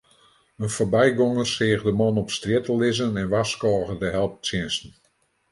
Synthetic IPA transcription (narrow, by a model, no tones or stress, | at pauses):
ənfobɛjɡɔŋəsɪːɣdəmɔnɔpstrjɪtəlɪzənɛnʋaskɔːɣədəɦɛlˠp̚sjɪnsn̩